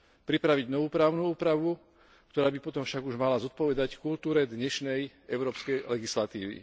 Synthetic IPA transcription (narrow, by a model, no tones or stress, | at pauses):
pɾipɾaʋiɟnɔʋuːpɾaːʊnuuːpɾaʋu | k̚t̪ɔɾaːbipɔt̪ɔmfʃaɡuʒmalazɔt̪̚pɔʋɛd̪ackult̪uːɾɛd̪ɲɛʃnɛj | ɛʊɾɔːpskɛjlɛɡislat̪ḭːʋḭ